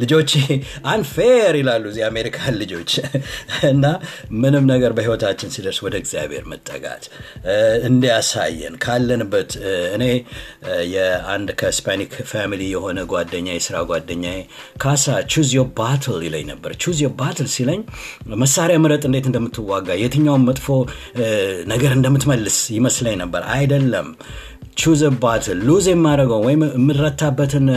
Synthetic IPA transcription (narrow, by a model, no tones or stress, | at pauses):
lɨd͡ʒo̞t͡ʃːeʔanfeɾilalːujzːiame̞ɾikʰallːɨd͡ʒo̞t͡ʃː | ɨnːamɨnɨmnəɡəɾbəhiwɔt̪ʰat͡ʃːɪnsid̪əɾswɔd̪əɡzija̰be̞̰ɾmət̪ʼːə̰ɡʼa̰t̪ | ɨnd̪ijasa̰jːɛ̰nkʰalːənɨbːət̪ɨne̞ | jɛand̪kʰəspʰanikfamilijɛho̞nəɡwad̪ːəɲːajɛsɨɾaɡwad̪ːəɲːaje | kʰasat͡ʃuzjobat̪ʰəlilə̰ɲnəbːəɾt͡ʃuzijobat̪ʰɨlsiləɲːməsːaɾjamɨɾət̪ʼɨnd̪e̞t̪ɨnd̪əmːɨt̪ʰːɨwːaɡːajet̪ʰɨɲːawmːət̪ʼfo̞ | nəɡəɾɨnd̪əmːɨt̪məlːɨsjɪməsləɲnəbːəɾa̰jd̪əlːəm | t͡ʃuzobat̪ʰɨlːuzemːaɾəɡəwwɔjɪmmːɨɾət̪ʰːabːət̪ʰɨn